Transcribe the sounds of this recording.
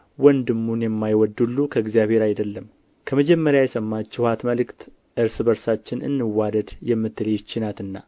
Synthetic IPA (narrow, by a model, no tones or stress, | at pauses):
wɔnd̪ɨmːunjɛmːajwɔd̪ːulːukʰəɪɡzijaβhe̞ɾajd̪əlːəm | kʰəməd͡ʒɛmːəɾjajɛsəmːat͡ʃːɛhat̪məlɨkt̪ | ʔɨɾsɨbəɾsat͡ʃːɪnɨ̰nːɨwad̪əd̪jɛmːɨt̪ːɨlet͡ʃːɪnat̪ɨnːa